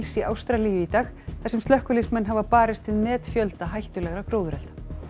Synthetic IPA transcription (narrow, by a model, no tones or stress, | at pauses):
lsiawst̪ɾaliːjʏit̪aːxθɛsːɪmst̪lœhkʏlismɛnːɦavapaːɾɪst̪ʰɪðmɛːt̪fjœlt̪aɦajl̥t̪ʏlɛɣɾakɾoːwðʏɾɛlt̪ḁ